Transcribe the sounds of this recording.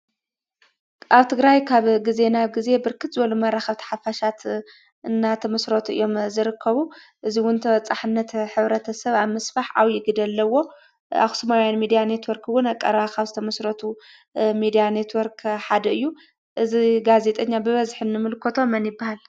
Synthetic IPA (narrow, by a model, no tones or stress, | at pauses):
ʔaβt̪ʰɨɡɾajkʰaβɡize̞naβɡize̞bɨɾkʰɨt̪zɨbɐlumɐraxɐβt̪ʰɐ̥ħafaʃat̪ | ʔɨnːat̪ʰɐmɐsɾot̪ʰʔɨjːo̞mzɨɾɨkʰːɐβuʔɨziwʊnt̪ʰɐwɐt͡sʼaħɨnːɐt̪ħɨβɾɐt̪ʰɐsɐβaβmɐsfaħʕawjɪɡɨd̪ɐlːɐwo̞ | a̰xsɨmawjanmid̪ijane̞t̪wɔɾkʰwʊnakʼːɐ̰ɾakaβzɨt̪ʰɐmɐsɾot̪ʰu | mid̪ijane̞t̪ʰwɔɾkʰħad̪ɐɨjːu | ʔɨziɡaze̞t̪ʼɐɲːabɨβɐzħɨnːɨmɨlkʰot̪ʰo̞mɐnjɪbːahal